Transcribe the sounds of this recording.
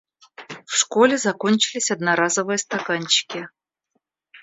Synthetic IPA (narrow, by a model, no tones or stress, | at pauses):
fʂkolʲɪzakonʲt͡ɕɪlʲɪsʲɐd̪̚naɾazəvɨjəst̪akanʲt͡ɕɪ̥kʲɪ